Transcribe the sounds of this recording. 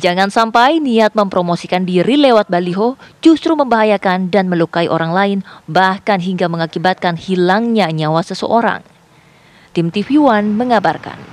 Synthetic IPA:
d͡ʒaŋansampajniat̪̚məmpɾomosikandiɾilewat̪̚baliɦod͡ʒust̪ɾuməmbaɦajakandanməlukaiʔoɾaŋlaɪnbahkanɦiŋɡaməŋakibat̪̚kanhilaŋɲaɲawasəsə̰ʔoɾa̰ŋ | t̪ɪmt̪ifiwanməŋabarka̰n

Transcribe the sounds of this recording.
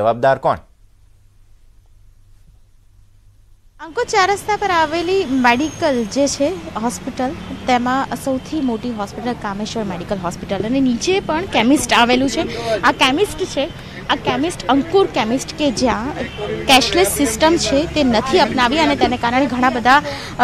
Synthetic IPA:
əʋab̚d̪aɾkɔ̰ɳ | əŋkuɾt͡ʃaɾəst̪ʰapəɾaʋelimeɽikəld͡ʒet͡ʃʰeɦɔspiʈəlt̪emãsəwt̪ʰimoʈiɦɔspiʈəlkameʃəɾmeɽikəlɦɔspiʈələnenit͡ʃepəɳkɛmisʈaʋelũt͡ʃʰeakɛmisʈt͡ʃʰe | akɛmisʈəŋkuɾkɛmisʈked͡ʒjãkɛʃlissɪsʈəmt͡ʃʰet̪enət̪ʰiəpnaʋiənet̪enekaɾəɽ̃eɡʱəɽ̃ãbəd̪ʱa

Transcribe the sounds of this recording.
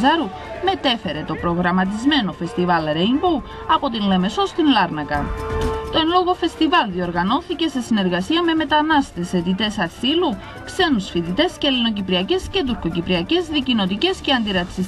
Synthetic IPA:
zɐɾu | me̞t̪e̞fe̞ɾe̞t̪o̞pɾo̞ɣɾɐmɐt̪̬izme̞no̞fe̞st̪ivɐlɾeimbuw | ɐpo̞t̪inleme̞so̞st̪inlɐɾnɐkɐt̪o̞enlo̞ɣo̞fe̞st̪ivɐlðio̞ɾɣɐno̞θice̞se̞sine̞ɾɣɐsiɐme̞me̞t̪ɐnɐst̪e̞se̞t̪it̪e̞sɐsilu | kse̞nusfit̪it̪e̞scelino̞cipɾiɐce̞sce̞t̪̬uɾko̞cipɾiɐce̞zðicino̞t̪ice̞sce̞ɐnd̪iɾɐt̪si

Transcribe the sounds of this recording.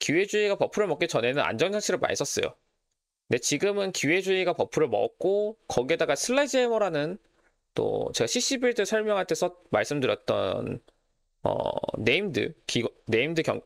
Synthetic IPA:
kuwe̞d͡ʑuiɡapʌpʰuɾɯɭmʌk͈it͡ɕʌne̞nɯna̰nd͡ʑʌŋsʰaɕʰiɾɯɭma̰nɲis͈ʌs͈ʌ̰jo̰ | nde̞t͡ɕiɡɯmɯnkie̞d͡ʑuiɡapʌpʰuɾɯɭmʌ̰k̚k͈okʌɡie̞daɡasʰɯɭːad͡ʑemʌɾanɯn | t͈o̰t͡ɕe̞ɡaɕʰiɕ͈ibiɭtɯsʰʌɭmjʌŋɦaɭtʰe̞sʰʌmaɭs͈ɯmdɯɾjʌt̚t͈ʌ̰n | ʌ̰ːe̞imdɯ̰kiɡne̞imdɯkjʌ̰ŋ

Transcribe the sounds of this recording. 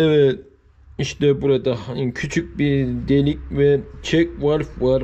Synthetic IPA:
ɛvɛ | iʃt̪ɛbuɾad̪akʰyt͡ʃʰyc̚ʲbiɾd̪elʲic̚ʲvɛt͡ʃʰɛk̚vaɾfvaɾ

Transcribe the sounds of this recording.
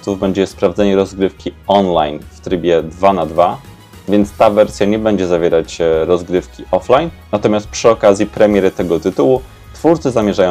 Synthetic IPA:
t̪suvbɛɲd͡ʑɛspɾavd̪zɛɲɛɾɔzɡɾɘfkʲiɔnlajnft̪ɾɘbʲjɛd̪vanad̪va | vʲjɛnt̪st̪avɛɾsʲjaɲɛbɛɲd͡ʑɛzavʲjɛɾat͡ɕɾɔzɡɾɘfkʲiʔɔflajnːat̪ɔmʲjast̪̚pʂɘɔkazʲjipɾɛmʲjɛɾɘt̪ɛɡɔt̪ɘt̪uwu | t̪fuɾt̪sɘzamʲjɛʐajɔ̃

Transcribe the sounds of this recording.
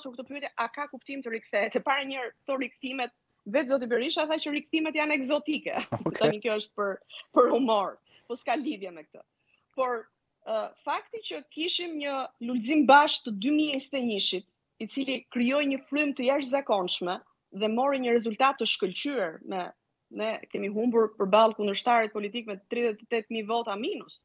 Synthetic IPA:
t̪uɾk̚t̪ɔpyt̪jɛʔakakupt̪imt̪əɾikθɛt̪ɛpaɾaɲəɾkt̪ɔɾikθimɛt̪̚ | vɛt̪zɔt̪̬ibɛɾiʃaθat͡ɕəɾik̚θimɛt̪janɛɡzɔt̪ikɛ̰t̪amikjɔəʃt̪̚pəɾpəɾhumɔɾ | pɔskaliðjɛmɛk̚t̪ə̰ | pɔɾ | fakt̪it͡ɕəkiʃimɲəlulzimbaʃk̚t̪əd̪ymiɛst̪ɛɲiʃit̪ | it͡silikɾijɔjɲəflujmt̪əjaʃ̬t̪zakɔnʃmɛ | ðɛmɔɾiɲəɾɛzult̪at̪ːəʃkəlt͡ɕyɛɹmɛ | nɛkɛmiɦumbuɾpəɾbalˠkund̪əɾʃt̪aɾɛt̪̚pɔlit̪ik̚mɛt̪ːɾiðɛt̪ɛt̪ɛt̪mivɔt̪aminus

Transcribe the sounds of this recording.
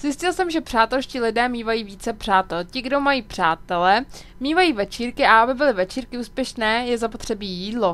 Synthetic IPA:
z̥jɪscɪlsɛmʒɛpr̥aːt̪ɛlscilɪdɛːmiːvajiːviːt͡sɛpr̝̥aːt̪ɛlcɪɡdomajiːpr̝̥aːt̪ɛlɛ | miːvajiːvɛt͡ʃiːɾkɪaabɪbɪlɪvɛt͡ʃiːɾkɪuːspjɛʃnɛːjɛzapo̞t̪r̝̥ɛbiːjiːdlo̞

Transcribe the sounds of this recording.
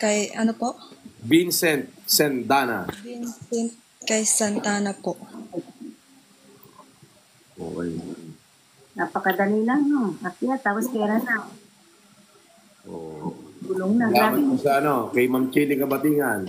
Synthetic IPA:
kɐjʔɐnopoʔbinsɛnt̪̚sɛnd̪aːna̰bɪnsɛnt̪̚kɐjsɐnt̪aːnɐpoʔ | ʔo̰ʔoj | napɐkɐd̪ɐnilaŋnoapɪjat̪aːposkɛːɾana | ʔo̰ɡʊloŋnaamosɐɐnokɐjmɐmt͡ʃilɪkɐbɐt̪iːŋan

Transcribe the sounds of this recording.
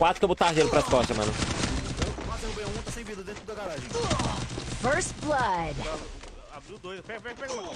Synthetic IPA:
kwat̪ɾʊkɛbut̪aɾʒejɾʊpɾɐskɔʃɐmɐ̰̃nʊɐ̃mat̪ẽũbẽɐ̃ũt̪asẽj̃vid̪ɐd̪ẽt̪ɾd̪dɐɡaɾaʒẽ | fɜ˞stblɐd̪a | aud̪ojzpɛɡɐpɛɡɐpɛɡɐlã

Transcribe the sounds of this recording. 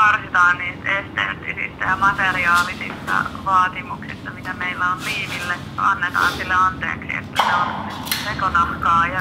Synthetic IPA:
ɑrsit̪ɑːnniːst̪est̪ḛlt̪ːisḭst̪æjɑmɑt̪eriɑːlisḭst̪ɑ̰ʋɑːt̪imuksḭst̪ɑmit̪æmeilːæolliːmilːe | ɑnːet̪ɑ̰ːnsilːeɑnt̪ḛːksḭḛt̪ːæseonsekonɑhkɑːjɑ

